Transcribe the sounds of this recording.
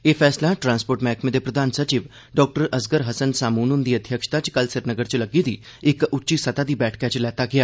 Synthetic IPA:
eːfʰɛːslaʈɾãːnspoːɾʈmɛ̃ːkʰmẽd̪epɾəd̪aːnsət͡ʃiʋ | ɖɔːk̚ʈəɾəsɡəɾɦəsənsaːmuːnund̪iːəd̪ʱjəkʃt̪at͡ʃkəlsɪɾnəɡəɾt͡ʃləɡid̪iː | ɪkʊtːʃisɐt̪ad̪iːbɛːʈʰkat͡ʃlɛːt̪aɡɪjaː

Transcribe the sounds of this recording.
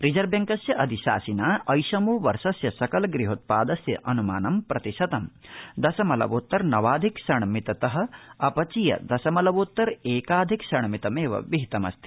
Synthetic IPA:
ɾid͡ʒɐɾbjɐŋkɐsjɐʔɐd̪iʃa̰ːsinaːʔɐjʃɐmoːʋɐɾʃɐsjɐsɐkɐlɡɾiɦoːt̪̚paːd̪ɐsjɐ̰ʔɐnuma̰ːnɐmpɾɐt̪iʃɐt̪ɐmd̪ɐsɐmɐlɐ̰ʋoːt̪ːɐɾnɐʋaːd̪ʱiksɐɳmit̪ɐt̪ɐɦɐ̆ɐpɐt͡ʃijɐ̰d̪ɐsɐmɐlɐʋoːt̪ːɐɾeːkaːd̪ʱiksɐɳmit̪ɐmeːʋɐ̰ʋiɦit̪ɐmɐ̰st̪ʰi

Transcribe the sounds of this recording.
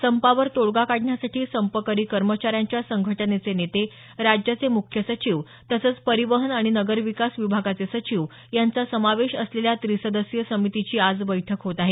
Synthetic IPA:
səmpaʋəɾt̪oɭɡakaɽɳjasaʈʰiːsəmpəkəɾiːkəɾmət͡ɕaɾjaɲt͡ɕjasəŋɡʱəʈənet͡senet̪e | ɾad͡ʑjat͡semukʰjəsət͡ɕiʋ | t̪əsət͡spəɾiʋəɦənaɽ̃inəɡəɾʋikasʋibʱaɡat͡sesət͡ɕiʋ | jant͡sasəmaʋeɕəsleljat̪ɾisəd̪əsjəsəmit̪it͡ɕiːad͡zbəjʈʰəkɦot̪aɦe

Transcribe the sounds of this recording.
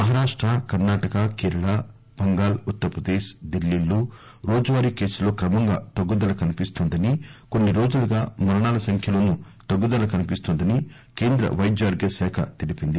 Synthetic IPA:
mɐɦɐɾaːʂʈɾɐkɐɾnaːʈɐkɐkeːɾɐɭɐ | b̥ɐŋɡaːlut̪ːɐɾɐpɾɐd̪eːʃd̪elːiːlːu | ɾoːd͡ʒɐʋaːɾike̞ːsulo̞ːkɾɐmɐŋɡa̰ːt̪ɐɡːud̪ɐlɐkɐnipist̪ɔnd̪ɐnikoɳːiɾo̞ːd͡ʒulɐɡaːmɐɾɐɳaːlɐsɐŋkʰjɐloːnu | t̪ɐɡːud̪ɐlɐkɐnipist̪ond̪ɐni | ke̞ːnd̪ɾɐ̰ʋɐjd͡ʒaːɾɡɐsɛːkʰɐ̰t̪iɽipind̪i

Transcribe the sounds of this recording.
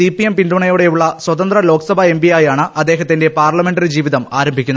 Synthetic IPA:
ipijempind̪uɳɐjoːɽe̞juɭːɐswɐt̪ɐnd̪rɐlo̞ːksɐbʱɐembʱiaːjaːɳɨʔɐd̪ːe̞ːɦɐt̪ːinde̞paːrlɐme̞ɳɖɐrid͡ʑiːʋiðɐmaːɾɐmbʱikʲːunːɐ

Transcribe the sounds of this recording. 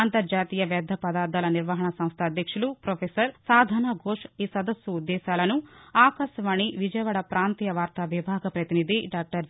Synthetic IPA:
nt̪ɐɾd͡ʒaːt̪iːjɐʋjɐd̪ʱːɐpɐd̪aːɾd̪aːlɐniɾʋɐɦɐɳɐsɐ̃mst̪ʰɐɐd̪jɐkʂulupɾoːpʰeːsɐɾsaːd̪ʱaːnɐɡʱoːʂiːsɐd̪ɐsjuud̪ːɛːʃaːlɐnuaːkɐʃjɐʋaːɳiʋid͡ʒɐjʋaːɽɐpɾaːnt̪ijɐʋaːɾt̪aʋibʱaːɡɐpɾɐt̪inid̪ʱiɖaːk̚ʈɐɾ

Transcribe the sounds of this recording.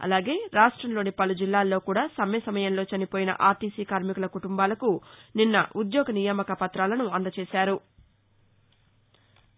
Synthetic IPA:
ɐ̰laːɡe̞ːɾaːʂʈɾɐmlo̞ːnipɐlud͡ʒilːaːlːo̞ːkuːɽaːsɐmɐjɐsɐmɐjɐnlo̞ːt͡ʃɐnipoːjinɐ̰ʔaːt̪iːsiːkaːɾmikulɐkuʈumbaːlɐkuninːɐ̰ʔud̪jɔːɡɐnijaːmɐkɐpɐt̪ɾaːlɐnuɐnd̪ɐt͡ʃeːʃaːɾu

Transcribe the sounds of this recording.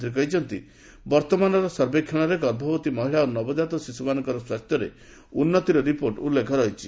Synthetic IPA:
t̪ɾik̬ɔɦit͡ʃʰɔnt̪ḭ | bɔɾt̪ɔmanɔɾɔsɔɾbekʰːɔɽ̃ɔɾeɡɔɾbʱɔbɔt̪imɔɦiɭaonɔbɔd͡ʒat̪ɔsisumanɔkɔɾɔswast̪jɔɾḛ | unːɔt̪iɾɔɾipoɾʈulːekʰɔɾɔɦit͡ʃʰi

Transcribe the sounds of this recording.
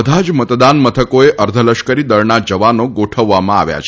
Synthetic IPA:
d̪ʱad͡ʒmət̪d̪anmət̪ʰəkoeʔəɾd̪ʱələʃkəɾid̪əɾnad͡ʒəʋanoɡoʈʰəʋːamãa̰ʋja̰t͡ʃʰ

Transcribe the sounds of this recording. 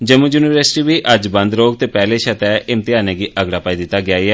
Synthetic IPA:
d͡ʒəmujuːnɪʋəɾsɪ̥ʈiːʋiːʔəd͡ʒbə̃nd̪ɾoːɡ̚t̪eːpɛːleːʃət̪ɛːʔɪmt̪ɪjaːneːɡiːʔəɡɽaːpaːiːd̪ɪt̪ːaːɡɪjaːiɛː

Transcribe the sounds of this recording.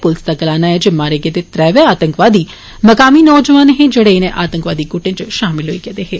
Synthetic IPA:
pʊlsd̪aɡɐlaːnaɛd͡ʒemːaːɾeɡed̪et̪ɾɛːʋeaːt̪ə̃ŋkʋaːd̪iː | məkaːminɔːd͡ʒəʋaːnɦẽd͡ʒeɽenẽʔaːt̪ə̃ŋkʋaːd̪iːɡʊʈẽt͡ʃʃaːmɪlɦoikɛːd̪eɦeː

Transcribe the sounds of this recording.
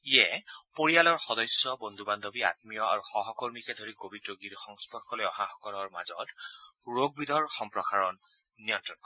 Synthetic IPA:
ijɛpoɹijalɔɹxɔdɔjsjɔbɔnd̪ʱuband̪ʱobia̰tmijɔa̰ɹuxɔɦɔkɔɹmikɛdʱoɹikobitɹɔɡiɹxɔŋspɔɹkʰːɔlojɔɦaxɔkɔlɔɹma̰zɔ̰tɹoɡ̚bidʱɔɹxɔmpɹɔxaɹɔnː | ijɔntɹɔnkɔ

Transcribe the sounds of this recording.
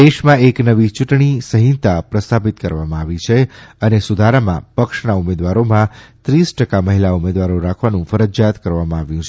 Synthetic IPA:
d̪eʃmãeknəʋit͡ʃuʈɳisəɦĩt̪apɾəst̪ʰapit̪kəɾʋamãaʋit͡ʃʰeənesud̪ʱaɾamã̰pəkʃnaumed̪ʋaɾomãt̪ɾisʈəkaməɦilaumed̪ʋaɾoɾakʰʋanũfəɾəd͡ʒjat̪kəɾʋamãaʋjũt͡ʃʰ

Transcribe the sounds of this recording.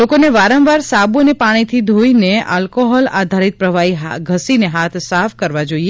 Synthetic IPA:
lokoneʋaɾə̃mʋaɾsabonepaɽ̃it̪ʰid̪ʱoineʔalkoɦɔlad̪ʱaɾit̪̚pɾəʋaiɦaɡʱəsineɦat̪ʰsafkəɾʋad͡ʒoie

